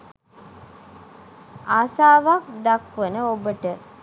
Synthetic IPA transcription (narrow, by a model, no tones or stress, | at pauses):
aːsaːʋak̚d̪akʋənəobəʈə